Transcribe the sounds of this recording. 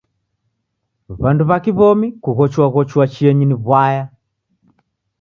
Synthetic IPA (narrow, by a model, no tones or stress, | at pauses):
βanduβakiβɔmikuɣɔt͡ʃwaɣɔt͡ʃuwat͡ʃiɛɲiniβwaja